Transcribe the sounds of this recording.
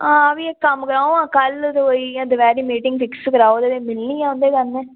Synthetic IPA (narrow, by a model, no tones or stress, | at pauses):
ãːɐʋiekɐmkəɾãːõãːkɐlt̪oiãd̪əʋɛːɾiːmiːʈɪŋɡfɪkskɐɾaːoːd̪eʋeːmɪlnĩːãʊ̃nd̪eːkɐnːẽː